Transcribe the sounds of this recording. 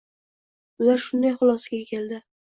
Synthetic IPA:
ʊlaɾʃʊnd̪ajχʊlˠɒsaɡʲakʲʰe̞ld̪ɪ

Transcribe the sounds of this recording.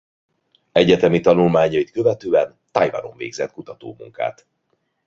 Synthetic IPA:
ɛɟɛt̪ɛmit̪ɒnulmaːɲɒit̪kø̞vɛt̪øːɛnt̪ajva̰no̞̰ɱvḛːɡzɛt̪kut̪ɒt̪o̰ːmṵŋka̰ːt̪

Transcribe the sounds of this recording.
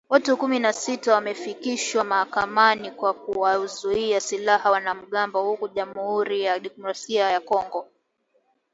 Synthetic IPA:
watukuminasitawamɛfikiʃwamahakamanikwak̚uwazuiasilahawnam̩ɠambɔhukuʄamuhuɾijaɗipɔɾasiajakɔŋɡɔ

